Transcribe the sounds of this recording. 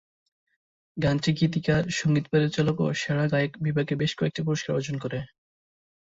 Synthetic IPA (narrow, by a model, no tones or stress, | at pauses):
ɡant͡ɕikit̪ikaʃoŋɡit̪̚pad̪eɾt͡ɕaloko̰ʃaɽaɡajekbibʱaɡebeʃkɔek̚ʈipuɾoʃkaɾod͡ʑonkoɾe